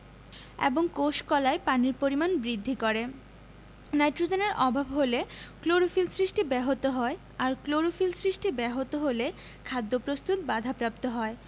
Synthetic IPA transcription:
ḛboŋkoʃkɔlaepaniɾpoɾimanbɾid̪ʱːikoɾe | najʈɾod͡ʑeneɾʔɔbʱabɦolekloɾofilsɾiʃʈibɛɦot̪oɦɔe | aɾkloɾofilsɾiʃʈibɛɦot̪oɦole | kʰad̪ːopɾost̪ut̪̚bad̪ʱapɾap̚t̪oɦɔe

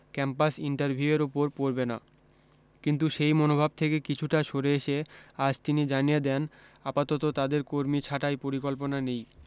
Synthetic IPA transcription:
kɛmpasiɳʈaɾbʱiueɾupoɾpoɾbena̰ | kint̪uʃejmonobʱab̚t̪ʰekekit͡ɕʰuʈaʃoɾeeʃead͡ʑt̪inid͡ʑanijed̪ɛnapat̪ot̪ot̪ad̪eɾkoɾmit͡ɕʰaʈajpoɾikolponanej

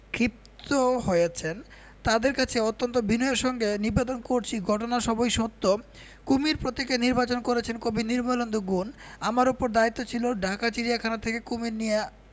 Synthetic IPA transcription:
kɾip̚t̪oɦojet͡ɕʰen | t̪ad̪eɾkat͡ɕʰeot̪ːont̪obinɔeɾʃɔŋɡeniɾbed̪onkoɾt͡ɕʰiɡʱɔʈonaʃɔbojʃot̪ːo | kumiɾpɾot̪ekeniɾbat͡ɕonkoɾet͡ɕʰenkobiniɾmalond̪ʱoɡunamaɾupoɾd̪ait̪ːot͡ɕʰiloɖʱakat͡ɕiɾiakʰanat̪ʰekekumiɾnija

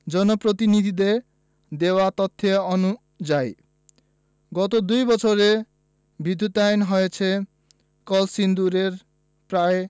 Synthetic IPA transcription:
d͡ʒɔnɔpɾot̪inid̪ʱid̪eɾ | d̪ewat̪ɔt̪ʰːeɔnu | d͡ʒaj | ɡɔt̪od̪ujbɔt͡ʃʰoɾe | bid̪ʱːut̪ajnɦɔjet͡ʃʰe | kɔlsind̪uɾeɾ | pɾae

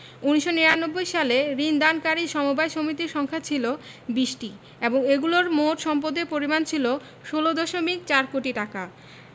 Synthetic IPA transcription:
uniʃoniɾanobːojʃaleɾind̪ankaɾiʃɔmobajʃomit̪iɾʃɔŋkʰat͡ɕʰilo | biʃʈi | eboŋeɡuloɾmoʈʃɔmp̬od̪epoɾimant͡ɕʰilo | ʃolod̪ɔʃomikt͡ɕaɾkoʈiʈaka

